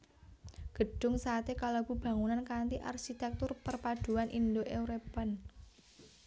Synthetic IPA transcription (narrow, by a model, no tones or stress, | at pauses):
ɡ̥ə̤ɖ̥ʊ̤ŋsaːt̪ekalab̥ṳb̥ä̤ŋunankant̪iʔa̰rʃit̪ɛk̚t̪ʊrpərpad̥ṳanʔind̪oʔeuɾepən